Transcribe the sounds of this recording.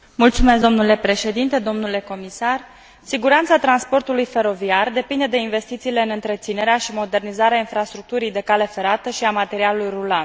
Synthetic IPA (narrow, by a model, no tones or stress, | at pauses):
mult̪sume̞sd̪o̞mnule̞pɾe̞ʃe̞d̪int̪e̞d̪o̞mnule̞ko̞misar | siɡuɾant̪sat̪ɾanspo̞rt̪ulujfe̞ɾo̞viard̪e̞pind̪e̞d̪e̞inve̞st̪it̪siːle̞ɨnɨnt̪ɾe̞t̪sine̞ɾeaʃimo̞d̪e̞rnizaɾeainfɾast̪ɾuk̚t̪uɾijd̪e̞kale̞fe̞ɾat̪əʃiamat̪e̞ɾialulujrulan